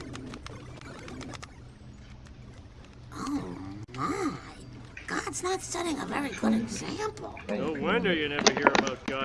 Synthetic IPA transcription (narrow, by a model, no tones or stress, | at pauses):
ʔoʊma | ɡ̥ɑdz̥nətstʌɾiɪ̃ŋəvɛɹiɡʊɾɨ̃nsæ̃mpʰl̩ˠnoʊwʌ̃ndɨ˞jɨnɛvə˞hiɹɨbaʊt̚ɡ̥ɑ